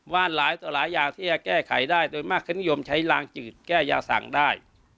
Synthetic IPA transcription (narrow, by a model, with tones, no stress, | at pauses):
waː˥˩nlaː˨˦jt̪ɔː˨˩˦laː˨˦jːaː˨˩ŋt̪ʰiː˥˩t͡ɕa˧kɛː˥˩kʰa˩˦jdaː˥˩jdoː˧jmaː˥˩kʰːɯ˧˥˨ni˦jo˧mt͡ɕʰa˦˥jlaː˧ŋt͡ɕɯː˨˩t̪̚kɛː˥˩ja̰ː˧sa̰˨˩ŋdaː˥˩j